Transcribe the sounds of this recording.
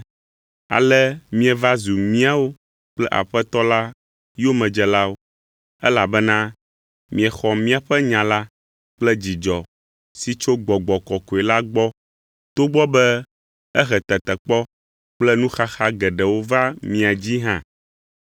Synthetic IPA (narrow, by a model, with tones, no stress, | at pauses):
a̰˨lɛ˦mĩ˦ɛ˨va˦zu˨mĩ˦a˦wo˦ | k͡plɛ˦ʔa̰˨ɸɛ˦t̪ɔ˦la˦ | jo˦mɛ̃˨d͡ʒɛ˨la˦wo˦ | ɛ˦la˨bɛ˦nã˦ | mĩ˨ɛ˨xɔ˨mĩ˦a˨ɸɛ˦ɲã˨la˦ | k͡plɛ˦d͡ʑi˨d͡ʒɔ˨ | si˨t͡ʃo˦ɡ͡bɔ˨ɡ͡bɔ˨kɔ˨ko˨ɛ˨la˦ɡ͡bɔ˦ | t̪o˦ɡ͡bɔ˦bɛ˦ | ɛ˦xɛ˨t̪ɛ˨t̪ɛ˨k͡pɔ˦ | k͡plɛ˦nũ˦xa˦xa˦ɡɛ˨ɖɛ˨wo˦va˦mĩ˦a˨d͡ʑi˦ɦã̰˨